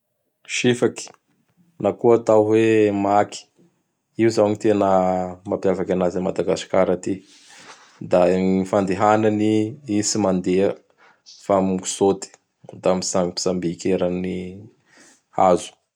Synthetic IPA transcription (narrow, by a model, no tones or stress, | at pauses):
ʃifaki̥ | nakuat̪awɦwemaki̥ | iuzawɲit̪enəmapjavakʲanazamad̪aɡasi̥kaɾat̪i | d̪anifand̪eɦananiisimand̪eə | famuku̥sot̪i̥ | d̪amisapi̥sambikeɾani | azu̥